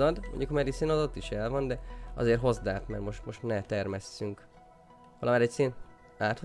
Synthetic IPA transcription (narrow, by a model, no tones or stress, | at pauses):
ɒd̪mo̰ɲɟukhɒmɛd̪iseːnɒzot̪ːiʃɛlvɒnd̪ɛɒ̰zeːrɦo̞zd̪aːt̪mɛ̰rmo̞ʃt̪mo̞ʃt̪nɛt̪ɛrmɛsːyŋk | ʋɒlɒmaːɾɛcseːn | aːt̪ho